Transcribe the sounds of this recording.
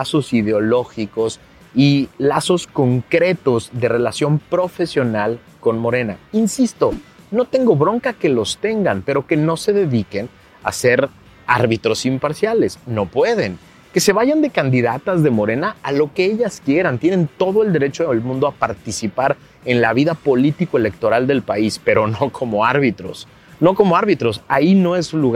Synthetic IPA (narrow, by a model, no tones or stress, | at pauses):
aso̞siðeo̞lo̞xiko̞s | ilaso̞sko̞ŋkɾe̞t̪o̞zðe̞re̞lasjo̞mpɾo̞fe̞sjo̞nal | ko̞nmo̞ɾe̞na̰insist̪o̞ | no̞t̪e̞ŋɡo̞βɾo̞ŋkake̞lo̞st̪e̞ŋɡampe̞ɾo̞ke̞no̞se̞ðe̞ðike̞n | a̰se̞ɾ | a̰ɾβit̪ɾo̞simpaɾsjale̞sno̞pwe̞ðen | ke̞se̞βaʝand̪e̞kand̪iðat̪azðe̞mo̞ɾe̞naalo̞keeʝaskje̞ɾant̪je̞nẽ̞nt̪o̞ð̞oe̞ld̪e̞ɾe̞t͡ʃoelmũnd̪oapaɾt̪isipaɾ | e̞nlaβiðapo̞lit̪ikoe̞le̞k̚t̪o̞ɾald̪e̞lpaispe̞ɾo̞no̞kʰo̞moaɾβit̪ɾo̰s | no̞ko̞mo̞aɾβit̪ɾo̞saino̞esuluɣ